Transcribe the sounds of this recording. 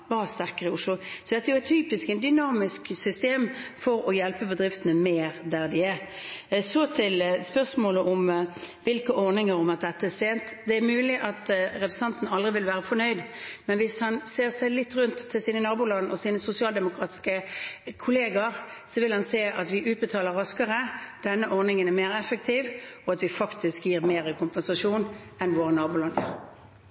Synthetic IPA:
ʋɑst̪æʁkəʁəʊʂlʊsɔd̪ɛt̪ːæɛjʊɛɪt̪̚t̪ʰyːpɪskɛnd̪ʏnɑːmɪsksʏst̪eːmfɔɾɔjɛlpəbəd̪ɾɪft̪ənəmeːɾd̪æʁd̪ɪæ | sɔt̪ʰɪlspœʁsmoːləʔɔm | ʋɪlkəʔɔʁnɪŋəɾɔmɑt̪̚d̪ɛt̪ːəæʁseːnt̪d̪ɛæɾmʉːlɪʔɑt̪ɾɛpɾəsɑnt̪n̩ɑld̪ʁɪʋɪlʋæːɾəfɔɾnœʏd̪mɛnʋɪshɑnseːʁsæɪlɪt̪ːʁʉnt̪ʰːɪlsiːnənɑːbulɑd̪nɔsiːnəsʊsɪɑːld̪ɛmʊkʰɾɑːt̪ɪ̥skəkʰʊleːɡɑɾsɔʋɪlhɑnseːʔɑt̪ʋɪʔʉːt̪̚bət̪ʰɑːləɾɑskəʁəd̪̥ɛnːəʔɔʁnɪŋənæʁmeːɾɛfəkt̪ʰɪːʋɔɑt̪ʋɪfɑkt̪ʰɪskjiːʁmeːɾəkʰʊmpɛnsɑʂuːn | ɛnʋoːʁənɑːbulɑnjə̰ʁ

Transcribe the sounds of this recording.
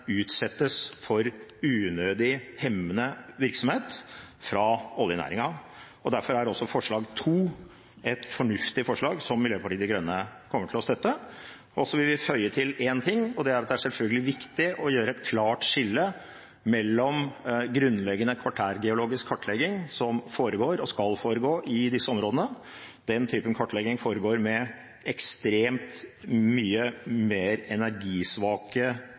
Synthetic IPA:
ʉːt̪sɛt̪ːəsfɔɾʉːnøːd̪ɪhɛmːənəʋɪɾksɔmheːt̪ | fɾɑɔlːjənæ̰ːɾɪŋɑ | ɔd̪æɾfɔɾæɾɔsːɔfɔʂɭɑːɡt̪ʰuː | ɛt̪fɔɳʉft̪ɪfɔʂɭɑːɡsɔmːɪljøːpɑʈiːd̪ɪɡɾœnːəkʰɔmːəʈʰɪlɔst̪œt̪ːə | ɔsːɔʋɪlʋɪfœʏət̪ʰɪleːnt̪ʰɪŋːɔd̪ɛæɾɑt̪̚d̪ɛæʂsɛlfœlɡəlɪʋɪkt̪ɪʔɔjøːɾəɛt̪̚kʰlɑːʈʂɪlːə | mɛlːɔmɡɾʉnːlɛɡːənəkʰʋɑʈʰæːɾɡɛʊloːɡɪskʰːɑʈʰːlɛɡɪŋsɔmfoːɾəɡoːɾɔskɑlfoːɾəɡoːʔɪd̪ɪsːəɔmɾoːd̪ənə | d̪ɛnt̪ʰyːpənkʰɑʈːlɛɡɪŋfoːɾəɡoːɾmɛ | ʔɛkst̪ɾeːmt̪myːəmeːɾɛnæɾɡiːsʋɑːkə

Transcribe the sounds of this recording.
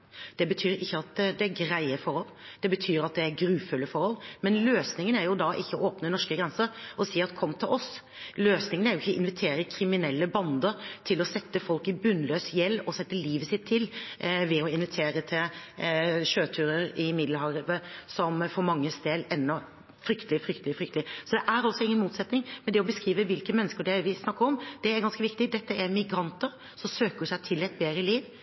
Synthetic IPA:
d̪̥ɛbət̪ʰyːɾɪçːəɑt̪d̪ɛæɾɡɾæɪəfɔɾhɔld̪̥ɛbət̪ʰyːɾɑt̪̚d̪ɛæɾɡɾʉːfʉlːəfɔɾhɔlmɛnløːsnɪŋənæɾjʊd̪ɑʔɪçːəɔoːpnənɔʂkəɡɾɛnsəɾɔsiːɑt̪kʰɔmːt̪ʰɪlʔɔs | løːsnɪŋənæɾjʊɪçːəʔɪnʋɪt̪ʰeːɾəɪkʰɾɪmɪnɛlːəbɑnd̪əɾt̪ʰɪlɔsɛt̪ːəfɔlkɪbʉnløːsjɛlːɔsɛt̪ːəliːʋəsɪt̪ʰːɪlʋɛɔɪnʋɪt̪ʰeːɾət̪ʰɪl | ɕøːt̪ʰʉːɾəɾɪmɪd̪ləɑːɾəʋəsɔmfɔɾmɑŋːəst̪eːd̪ɛnːɔ | fɾʏkt̪əlɪfɾʏkt̪əlɪfɾʏkt̪lɪsɔd̪ɛʔæɾɔlsɔɪŋːənmuːt̪sɛt̪nɪŋmɛnd̪ɛɔbəskɾiːʋəʋɪlkəmɛnːəskəɖɛʋɪsnɑkːəɾɔmd̪ɛæɾɡɑnskəʋɪkt̪ɪd̪ɛt̪ːəʔæɾmɪɡɾɑnt̪əɾ | sɔmsøːkəsæɪt̪ʰɪlɛɪt̪̚beːd̪ɾəliːʋ

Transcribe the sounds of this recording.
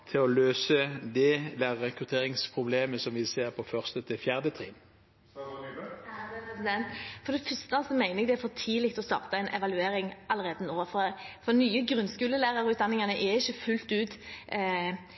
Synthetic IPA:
t̪ʰɪlɔløːsəd̪ɛlɛɛkɾʉt̪ʰeːɾɪŋspʰɾʊbleːməsɔmʋɪseːɾpʰɔfœʁst̪ət̪ʰɪfjæːʁd̪ət̪ʰʁḭːn | sɪd̪ɛnt̪fɔd̪ɛfœst̪əɑlsɔmæɪnəɛɡd̪ɛæɾfɔt̪ʰiːlɪkt̪ɔst̪ɑ̰ːʁt̪əɛɪnʔɛʋɑlʉeːɾɪŋʔɑlːəʁeːd̪ənoːʋəfɔfɔnyːəɡɾʉnskʉːləlæːʁɑʁɔʉːt̪d̪ɑnːɪŋɑnəʔɛɾɪçːəfʉlt̪ʉːt̪

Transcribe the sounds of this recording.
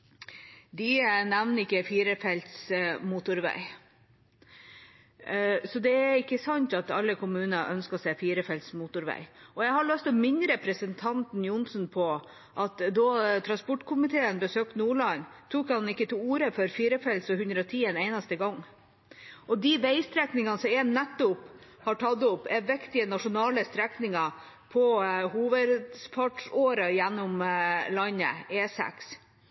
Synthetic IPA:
d̪ɪnæʋnəɪkːəfiːɾəfɛlt̪smuːt̪ʊɾʋæ̰ɪ | sɔd̪ɛæɾɪkːəsɑnt̪ɑt̪ɑ̰lːəkʰʊmʉːnəʔœnskəɔseːfiːɾəfɛlt̪smut̪ʊɾʋæ̰ɪɔjæɪhɑɭœst̪ɔmɪnːəɾɛpɾəsənt̪ʰɑnt̪njʊnsnpʰɔ | ʔɑt̪d̪ɔt̪ʰɾɑnspɔʈkʰʊmɪt̪ʰeːənbəsøːk̚t̪nuːɭɑnt̪ʰuːkhɑnɪkːət̪ʰɪuːɾəfɔɾfiːɾəfɛlsɔhʉnd̪ɾəɔt̪ʰiːɛneɪnɑst̪əɡɑŋː | ʔɔd̪ɪʋeɪst̪ɾɛknɪŋɑnsɔmɛnɛt̪ːʊp | hɑʈʰɑd̪ʊpːɛʋɛkt̪ɪənɑʂʊnɑːləst̪ɾɛknɪŋɑ | pʰɔhuːʋəd̪spʰɑʈʂoːɾəjænːʊmlɑnə̰eːsɛ̰ks

